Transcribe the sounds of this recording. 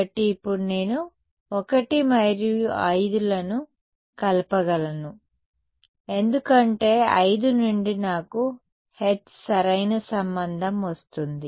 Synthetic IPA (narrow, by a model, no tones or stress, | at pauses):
ʈiːpːuɽune̞ːnu | ɔkɐʈimɐɾiɐjd̪ulɐnu | kɐlɐpɐɡɐlɐnu | e̞nd̪ukɐɳʈe̞ːɐ̰jd̪unuɳɖinaːku | he̞t̪ | sɐɾɐjnɐsɐmbɐnd̪ʱɐmʋɐst̪und̪i